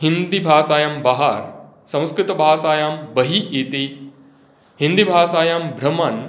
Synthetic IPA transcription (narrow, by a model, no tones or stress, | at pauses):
ɦind̪ibʱaːsaːjɐmbɐɦaːɾ | sɐ̃w̃skɾɪt̪ɐbʱaːsaːjaːmbɐɦiit̪i | ɦind̪ibʱaːsaːjaːmbʱɾɐmɐn